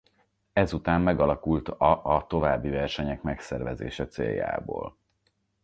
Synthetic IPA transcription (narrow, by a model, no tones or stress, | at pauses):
ɛzut̪aːmːɛɡɒlɒkult̪ɒʔːt̪o̞vaːbːivɛrʃɛɲɛkmɛksɛrvɛzḛːʃɛt̪sḛːjːa̰ːbo̰ːl